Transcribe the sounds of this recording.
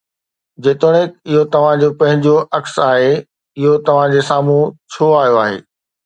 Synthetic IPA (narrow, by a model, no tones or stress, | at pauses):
d͡ʑeːt̪oɽ̃ekɪɦot̪ɐʋ̤ãd͡ʑopɐ̃ɦɪ̃ɲd͡ʑoʔɐksaːɦe | ɪɦot̪ɐʋ̤ãd͡ʑeːsaːm̤ũt͡ɕʰoːaːɦijoaːɦḛː